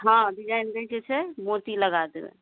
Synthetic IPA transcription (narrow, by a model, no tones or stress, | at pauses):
ɦãɖid͡ʒajnbəkɛt͡ʃʰɛmot̪iləɡad̪ebɛ̰̃